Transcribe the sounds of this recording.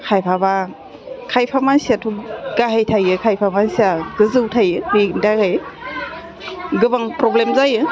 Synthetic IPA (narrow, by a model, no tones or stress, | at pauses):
kʰajpʰaβa | kʰajpʰamansiatʰuɡaɦajtʰajɯkʰajpʰamansiaɡɯzɯwtʰajɯɾiɡntaɡaj | ɡɯbaŋpɾɔblemzajɯ